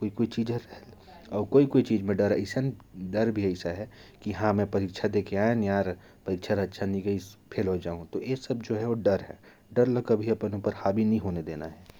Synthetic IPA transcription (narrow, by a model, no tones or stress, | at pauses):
koːikoːit͡ʃiːd͡ʒɾəɦl | ɔːɾkoːikoːit͡ʃiːd͡ʒmẽɖəɾə̰ɪsaɖɐɾbʱiɐɪsaɦɛkiɦãmɛ̃pɐɾiːkt͡ʃʰad̪eːkeaːenjaːɾ | pɐɾiːkt͡ʃʰaɾətːʃʰanĩɡəipʰelɦod͡ʒaːɦũt̪oeːsɐb̚d͡ʒoːɦɛʋoɖɐɾɦɛ̰ː | ɖɐɾlɐkɐbʱiɐpənũpəɾhaːbʱinɐɦĩɦoːned̪eːna̰ɦɛː